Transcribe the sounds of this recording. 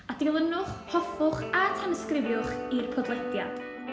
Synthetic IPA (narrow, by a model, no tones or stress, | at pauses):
adɪlˠənʊχhɔfʊχatʰɛnəskrɪvjʊχirpʰɔdlˠɛdja̰d̥